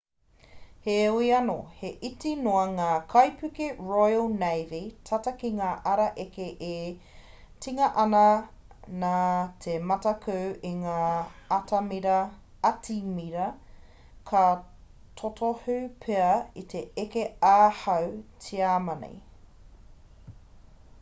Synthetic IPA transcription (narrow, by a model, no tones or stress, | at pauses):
heuiɐno̰heʔitinoɐŋaːkʰɐjpʰʉkiɹojlnejvitʰatɐkiŋaːʔɐɾɐʔekeʔe | tiŋɐʔɐnɐ | naːtʰemɐtɐkʰʉwiŋaːɐtɐmiɾɐ | ɐtʰimiɾɐ | kʰɐ | tʰotʰohʉpʰeɐit̪ʰeekeaːhɐwtʰiaːmɐnḛj